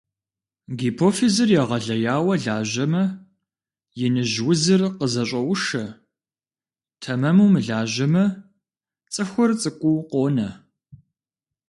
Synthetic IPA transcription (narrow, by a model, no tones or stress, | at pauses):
ɡipʰoːfizɨrjɛʁɐɮɐjaːwɐɮaːʑɐmɐ | jɪnɨʑwʊzɨrqəzɐɕʼɐwʊʂɐ | tʰɐmɐmuːmɨɮaːʒɐmɐ | t͡sʼɨxʷʊrt͡sʼɨkʷʼʊwqoːnɐ